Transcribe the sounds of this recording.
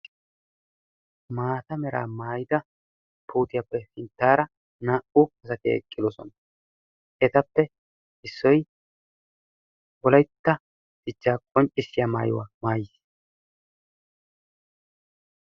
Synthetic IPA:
maːt̪ɐmɛɾa̰ːmaːjɪd̪ɐ | pʰuːt̪ɪjapːɛfɪnt̪ːaːɾɐ | naːʔʊɐsɐt̪ɪɛ̰kʼːɪd̪ɔsɔ̰nɐ | ʔɛt̪ɐpːɛ | ɪsːɔj | wɔlɐjt̪ːɐ | d̪̥ɪt͡ʃːaːkʼɔnt͡ʃʼːɪsːɪjaːmaːjʊ̰wa̰maːjɪs

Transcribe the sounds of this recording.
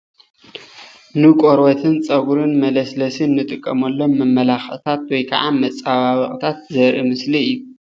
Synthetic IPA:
nɨkʼoɾwɐt̪ʰɨnt͡sʼɐɡuɾɨnmɐlɐslɐsɨnːɨt̪ʼɨkʼːɐ̰mɐlːo̞nmɐmːɐlaxʔt̪ʰat̪̚wɔjkʰa̰ʕamɐt͡sʼːaβaβɐχʼt̪ʰat̪̚zɐɾʔimɨsliɨjːu

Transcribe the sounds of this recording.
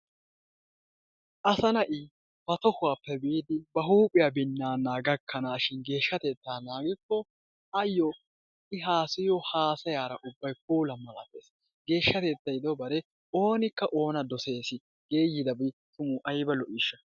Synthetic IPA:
ʔɐsɐnɐʔɪ | b̥ɐt̪ɔhʊwaːpːɛbiːd̪ɪbɐɦuːpʼɪjabɪnːaːnaːɡɐkʰːɐnaːʃɪnɡe̞ːʃːɐt̪e̞ːt̪ːaːnaːɡɪkːɔ | ɐjːɔ | ɪɦaːsɪjɔhaːsɐjaːɾɐʔʊbːɐjpuːlɐmɐla̰ːpːeːs | ɡ̥e̞ːʃːɐt̪e̞ːt̪ːɐjɪd̪ɔbɐɾɛ | o̞ːnɪkːɐʔo̞ːnɐd̪ɔse̞ːsɪ | ɡ̥e̞ːjːɪd̪ɐbɪt̪ʊmʊʔɐjbɐlɔʔiːʃːɐ

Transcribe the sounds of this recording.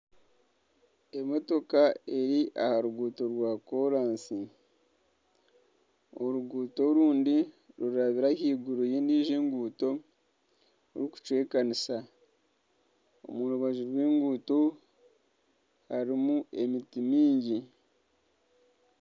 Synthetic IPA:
e̞mo̞to̞kae̞ɾiʔahaɾuɡuːtoɾwaːko̞ɾaːnsi | oɾuɡuːto̞ɾuːndi | ɾuɾaβiɾahiːɡuɾoje̞ːniːʒeːŋɡuːto̞ | ɾiku̥t͡ʃwe̞ːkanisa | o̞̰muɾuβaʒiɾweːŋɡuːto | haɾimue̞mitimiːɲɟi

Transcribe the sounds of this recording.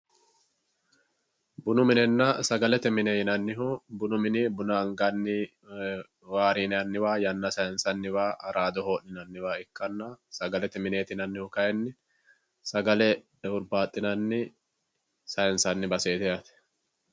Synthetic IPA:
bʊnʊmɪnɛnːɐsɐɡɐlɛt̪ɛmɪnejɪnɐnːɪɦʊbʊnʊmɪnɪbʊnaŋɡɐnːɪ | waːɾiːnɐnːɪwaːjɐnːɐsɐjɛnsɐnːɪwaːʔɐɾaːd̪ɔhoːʔnɪnɐnːɪwaːɪkːɐnːɐsɐɡɐlɛt̪ɛmɪne̞ːt̪ɪnɐnːɪhʊkɐjɛnːɪ | sɐɡɐlɛ | ʊɾbaːt̪ʼːɪnɐnːɪ | sɐjɛnsɐnːɪbɐseːt̪ɛjɐt̪ɛ̥

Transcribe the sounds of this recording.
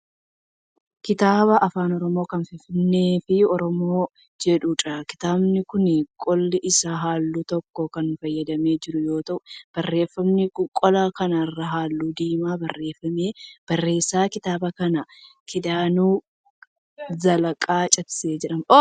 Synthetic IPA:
kɪt̪aːbɐʔɐfaːnɔɾɔmo̞ːkɐnfɪnfɪnːe̞ːfɪɔɾɔmo̞ː | d͡ʒɛᶑut͡ʃɐkɪ̥t̪aːbnɪkʊnɪkʼɔlːɪʔɪsaːɦaːlːut̪ɔkːɔkɐnfɐjːɐd̪ɐme̞ːd͡ʒɪɾʊjo̞ːt̪ɐʔʊb̥ɐrːe̞ːfːɐmnɪkʊkʼɔlaːkɐnɐrːɐɦaːlːuːd̪iːmaːbɐrːe̞ːfɐmeːb̥ɐrːe̞ːsːaːkɪt̪aːbɐkɐnɐ | kʰɪd̪aːnuː | zɐlɐkʼaːt͡ʃʼɐtse̞ːd͡ʒɛᶑɐmo

